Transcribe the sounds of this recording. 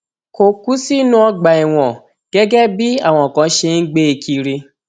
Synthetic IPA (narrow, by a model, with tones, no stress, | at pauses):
ko˨ku˦si˦nũ˦ɔ˧ɡ͡ba˨i˨w̃ɔ̃˨ | ɡ̥ɛ˦ɡɛ˦bi˦a̰˦˨w̃ɔ̃˧˨kã˨˧˦ʃe˧n̩˦ɡ͡be˦i˨˧kʰi˧ɾi˧